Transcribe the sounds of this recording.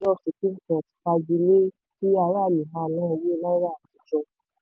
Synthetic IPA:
ɔ˦˨se˨ki˦kã˨a˨ti̥˧k͡pa˧d͡ʒi˧le˦ | ki˦a˧ɾa˦˨lĩ˨ɦã˨˦˨lã˦˧je˦la˦i˦ɾa˦˨ti˨˧˨d͡ʒɔ˧

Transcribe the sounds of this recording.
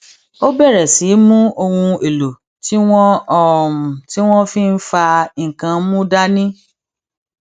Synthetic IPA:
o˦bɛ˦˨ɾɛ˨si˨˦mũ˦o˧wũ˧e˨lo˨ | ti˦w̃ɔ̃˦ɔ˦mũ˨ti˦w̃ɔ̃˦fĩ˦n̩˦fa˧i˨ŋ̩˨kã˧˦mũ˦da˦nĩ˦

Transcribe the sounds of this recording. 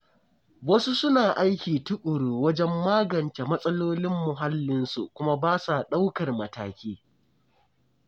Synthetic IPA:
wɐ˦su˦sʊ˦naː˨ʔa˦jkʲiː˨tʊ˦kʼʊ˨ɽuː˨wɐ˦d͡ʒɛ˦mːaː˦ɡɐ˨nte˨mɐ˦sʼɐ˦loː˦lɪ˦mːʊ˨ɦa˦lːɪ˦nsṵ˨kʷʊ˦ma˦baː˦sa˨ɗa˦wkɐ˨rmɐ˨ta̰ː˨kʲiː˦

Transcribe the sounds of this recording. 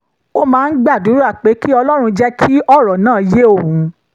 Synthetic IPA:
o˦mãː˨˦n̩˦ɡ͡ba˦˨du˨˦ɾu˦a˦˨k͡pe˨˦ki˦ɔ˧lɔ˦ɾ̃ũ˧d͡ʒɛ˦kʰi˦ɔ˦˨ɾɔ˨nãː˦˨je˦o˦˨ũ˨˧

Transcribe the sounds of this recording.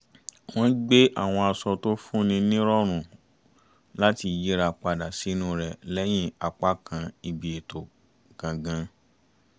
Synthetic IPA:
w̃ɔ̃˦ɡ͡be˦ʔa̰˦˨w̃ɔ̃˧a˧sɔ˧to˦fũ˦nĩ˧nĩ˦ɾɔ˦ɾ̃ũ˨ | la˦ti˧˨ji˦ɾa˧k͡pa˧da˨si˨˦nũ˦˨ɾɛ˨lɛ˦j̃ĩ˦a˨k͡pa˦kʰã˧i˧bi˨e˨to˨ | kã˨ɡã˧˦

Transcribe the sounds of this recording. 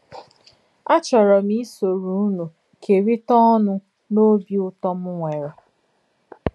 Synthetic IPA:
a˦t͡ʃɔ˨ɾɔ˨mi˦so˨ɾu˨˦nu˨ | kʰe˨ɾi˦tɔ˦ɔ˦nʊ˦ | no˦bi˦ʊ˦tɔ˦mʊ˦ŋʷe˨ɾɔ˨

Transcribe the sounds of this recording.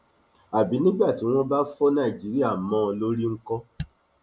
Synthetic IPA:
a˨bi˨˦nĩ˦ba˦˨ti˨˦w̃ɔ̃˦ba˦fɔ˦nã˦˨d͡ʒi˨˦ɾi˦a˦˨mɔ̃˧lo˦ɾi˦ŋ̩˦kɔ˦

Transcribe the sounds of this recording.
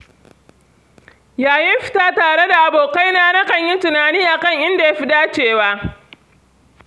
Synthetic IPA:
jaː˨jɪ˦mɸɪ̥˨taː˦taː˨ɽe˦da˨ʔa˨boː˨ka˦jnaː˦na˦kɐ˨ɲji˦tʊ˨naː˨niː˦ʔa˨kɐ˦˨ŋʔɪ˦nda˨ja˦ɸi˦daː˦t͡ʃeː˦˨waː˦ʔ

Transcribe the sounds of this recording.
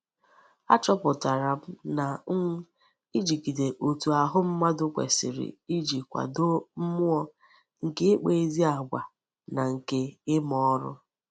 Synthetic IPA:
a˦t͡ʃɔ˦pʊ˨ta˨ɾa˨m̩˦na˨˦ŋ̩˦ | i˦d͡ʒi˨ki˨de˨ʔo˨tu˨a˨ɦʊ˦m̩˦ma˦dʊ˦kʷḛ˨sɪ̰˨ɾɪ̰˨i˦d͡ʒi˨kʷa̰˨do˦m̩˦mʊ˦ɔ˦ | ŋ̩˨kɪ˦k͡pe˨e˦zi˦a˨ɡʷa˨ | na˨ŋ̩˨ke˦ɪ˦mɔ˦ɾʊ̰˦

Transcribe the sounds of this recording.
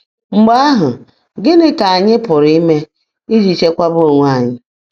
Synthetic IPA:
ŋ͡m̩˨ɡ͡ba˦a˦ɦʊ˨ | ɡɪ˦nɪ˦ka˨a˨ɲɪ˦pʊ˨ɾi˦me˦ | i˦d͡ʒi˨t͡ʃe˦kʷa˦bʊ˦ɾʊ˨ŋʷa˦˨ɲɪ˦

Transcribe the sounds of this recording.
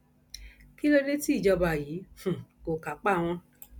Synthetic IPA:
ki˦lo˧nẽ˦ti˦i˦˨d͡ʒɔ˧ba˨jiː˨˦hũ˨ko˨ka˨˦k͡pa˦˨w̃ɔ̃˧

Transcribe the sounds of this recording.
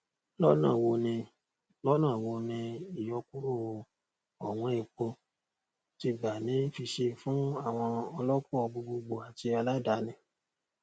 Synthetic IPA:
lɔ˦nãː˦˨wo˧nĩ˧ | lɔ˦nãː˦˨wo˧nĩ˧i˨jɔ˧ku˦ɾu˦˨wo˧ | ɔ˨w̃ɔ̃˧i˨k͡po˧ | ti˧ɡ͡ba˨nĩ˨˦n̩˦fi˧ʃe˧fũ˦a˦˨w̃ɔ̃˧ɔ˧lɔ˦kɔ˦˧bu˧ɡ͡bo˧ɡ͡bo˨a˨ti˧a˧la˦da˨˦nĩ˧

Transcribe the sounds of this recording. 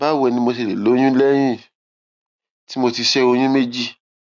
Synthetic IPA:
ba˦wɛ˧nĩ˧mo˧s̬e˧˨le˨lo˨˦j̃ũ˦lɛ˦j̃ĩ˦˨ | ti˦mo˧ti˧ʃɛ˦o˧j̃ũ˦me˦d͡ʒi˦˨

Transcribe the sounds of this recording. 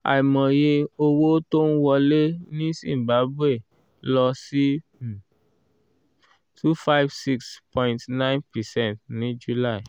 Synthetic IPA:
a̰˨jmɔ̃˨je˧o˧wo˦to˦n̩˦wɔ˧le˦nĩ˦sḭ̃˨m˨ba˨˦bwe˦˨ | lɔ˧si˦˨ | tʰu˦fa˦jvsi˦kspʰɔ̃˦ĩntnã˦jnpɛ˨sɛ̃˦˨ntnĩ˦d͡ʒu˨la˦˨i˨

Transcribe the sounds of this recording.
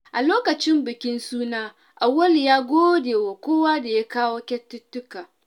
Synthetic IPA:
ʔa˨loː˦kɐ˨t͡ʃɪ˦mbɪ˨kʲɪ˦nsuː˦naː˦ | ʔa˨wɐ˦ljaː˦ɡʷoː˦deː˨wa˨kʷoː˦wa˦da˨ja˦kaː˦woː˦kʲɛ˦tːʊ˦tːʊ˦kaː˨

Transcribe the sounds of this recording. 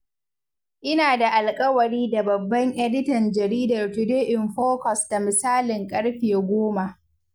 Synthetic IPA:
ʔɪ˦naː˨da˨ʔa˨lkʼɐ˦wɐ˨ɾiː˦da˨bɐ˨bːɐ˦ŋʔɛ˦dɪ˦tɐ˨nd͡ʒɐ˨ɾiː˦dɐ˨rtu˨deː˦ʔɪ˨mɸoː˦kɔ˨sta˨mɪ˨saː˦lɪ˨ŋkʼɐ˦ɽɸe˨ɡʷoː˦ma˨ʔ

